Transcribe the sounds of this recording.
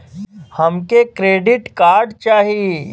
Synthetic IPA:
hɐmkekɾeːɖɪʈkaːɾɖt͡ʃaːɦie

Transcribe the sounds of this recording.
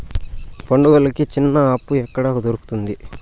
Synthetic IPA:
poɳɖuɡɐlɐkit͡ʃinːɐɐpːuɛkːɐɽaːkd̪oɾuku̥t̪und̪i

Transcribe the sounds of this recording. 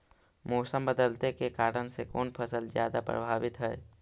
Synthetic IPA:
moːsəmbəd̪əlt̪ekekaːɾənsekoːnpʰəsəlzjaːd̪apɾə̰bʱaːʋɪt̪ɦɛː

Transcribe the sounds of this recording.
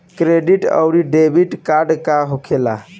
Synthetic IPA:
kɾeɖiʈə̰wɾiɖebʱiʈkaɾɖkaɦokʰela̰

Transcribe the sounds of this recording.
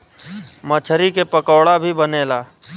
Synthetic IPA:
mət͡ʃʰəɾikepəkɔːɽabʱibəneːlaː

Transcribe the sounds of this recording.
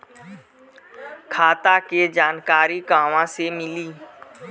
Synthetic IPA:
kʰaːt̪aked͡ʒaːnkaːɾiɡaːʋãsemɪliː

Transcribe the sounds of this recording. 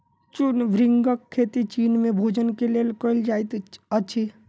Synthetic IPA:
t͡ʃunʋɾɪŋɡəkʰːeːt̪it͡ʃiːnmẽbʱoːd͡ʒənkeleːlkəld͡ʒaːjt̪əːʃʰi

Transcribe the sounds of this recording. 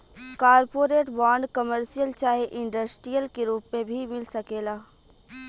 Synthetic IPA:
kaːɾpoːɾeːʈbaːɳɖkɐməɾsijəlt͡ʃaːɦeʔɪ̃ɳɖəsʈɾijəlkeɾuːpmẽbʱimɪlsɐkeːlaː

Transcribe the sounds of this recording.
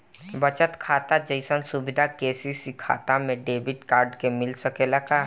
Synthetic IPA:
bɐt͡ʃət̪kʰaːt̪ad͡ʒəɪsənsʊbɪd̪ʱakeːsisikʰa̰ːt̪amẽɖeːbɪʈkaːɾɖkemɪlsɐkelaka

